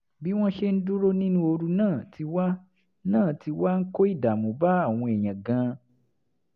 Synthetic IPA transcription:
bi˦w̃ɔ̃˦ʃe˦n̩˦du˦ɾo˦nĩ˦nũ˦o˧ɾu˧nãː˦˨tʰi˧wa˦ | nãː˦˨ti˧wa˦ŋ̩˦ko˦i˦˨da˨mũ˨ba˦a˦˨w̃ɔ̃˧ɛ˨j̃ã˨ɡã˧

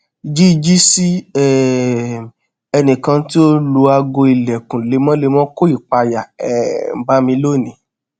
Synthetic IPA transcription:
i˨d͡ʒi˦i˧d͡ʒi˦si˦ɛ˦˨ | ɛ˧nĩ˨kã˧˦ti˦o˦lu˨˧˦a˧ɡo˧i˨lɛ˨kũ˨le˨˧˦mɔ̃˦le˧mɔ̃˦ko˦i˦˨k͡pa˧ja˨ɛ̰˨m̩˨ba˦mĩ˧lo˦˨nĩ˨˦

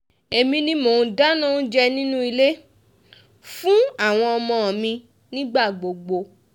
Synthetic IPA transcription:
e˨mĩ˧nĩ˧˦mõ˨˧˦da˦nã˦ũ˦d͡ʒɛ˦˧nĩ˦nũ˦i˧le˦ | fũ˦a˦˨w̃ɔ̃˧ɔ˧mɔ̃˧ɔ˨mĩ˧ | nĩ˦ɡ͡ba˦˨ɡ͡bo˨ɡ͡bo˧

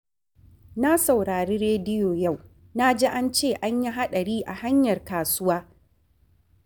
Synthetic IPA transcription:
na˦sa˨wɽaː˨ɾiː˦ɾeː˦dɪ˦joː˨ja˦˨w | na˦d͡ʒeː˦ʔa˦nt͡ʃeː˦˨ʔa˦ɲji˦ɦa˦ɗɐ˨ɽiː˦ʔa˨ha˦ɲjɐ˨rkaː˨sʊ˦waː˦

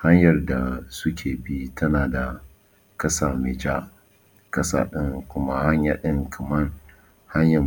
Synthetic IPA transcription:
ha˦ɲjɐ˨rda˨sʊ˦kʲʰeː˨bi˦tʰɐ˦naː˨da˨ | kɐ˦saː˨mɪ˨d͡ʒa˦ | kɐ˦sa̰ː˨ɗɪ˦ŋkʷʊ˦ma˦ha˦ɲjaː˨ɗɪ˦ŋkʰɐ˨mɐ˦n | ha˦ɲjɐ˨

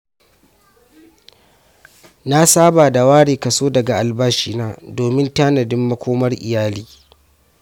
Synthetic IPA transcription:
na˦saː˦baː˨da˨waː˦ɽeː˨kɐ˨soː˦dɐ˨ɡa˨ʔa˨lbaː˦ʃiː˦˨naː˦doː˨mɪ˦ntaː˦nɐ˨dɪ˦mːɐ˦kʷoː˦mɐ˦rʔɪ̰˨jaː˦liː˦

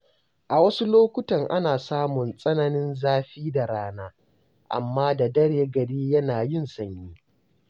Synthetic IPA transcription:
ʔa˨wɐ˦su˦loː˦kʷʊ˦tɐ˨ŋʔa˦naː˨saː˦mʊ˨nsʼɐ˦nɐ˨nɪ˦nzaː˦ɸiː˦da˨ɽaː˦naː˦ | ʔa̰˨mːaː˦da˨dɐ˦ɽeː˨ɡɐ˨ɽiː˦jɐ˦naː˨jɪ˦nsɐ˨nːiː˦

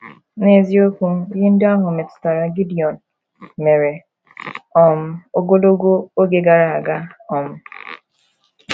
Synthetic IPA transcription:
ne˦˨zi˦o˦ku˦ji˦n̩˦da˦ɦʊ˨me˨tta˨ɾa˨ɡi˦di˨ɔ˨n | me˨ɾe˨ | ɔ˨m̩˨˦o˦ɡo˦do˦ɡo˦o˦ɡe˨ɡa˨ɾa˨a˨ɡa˦ɔ˨m̩˨

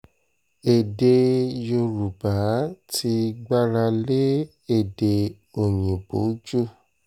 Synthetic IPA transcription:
e˨de˧jo˧ɾu˨ba˨˦tʰi˧ɡ͡ba˦ɾa˧le˦ | e˦˨de˨ | o˨ɲ̃ĩ˨bo˨˦d͡ʒu˦˨

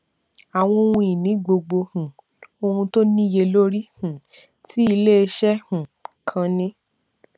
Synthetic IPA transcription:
a˨w̃ɔ̃˧o˧ũ˧i˨nĩ˨˦ɡ͡bo˧ɡ͡bo˧hũ˨ | o˧hũ˧to˦nĩ˦je˧lo˦ɾi˦hũ˨ | tʰi˦i˧le˦e˧ʃɛ˦hũ˨kʰã˧nĩ˦

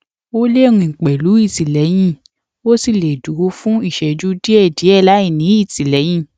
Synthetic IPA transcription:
o˦le˦˧ɾũ˧i˨k͡pɛ˨lu˨˦i˦˨ti˨lɛ˨˦j̃ĩ˦˨ | o˦si˧˨le˨du˨˦fũ˦i˦˨ʃɛ˧d͡ʒu˦di˦ɛ˦˨di˨˦ɛ˦˨la˨˦i˦˨nĩ˨˦i˦˨ti˨lɛ˨˦j̃ĩ˦˨

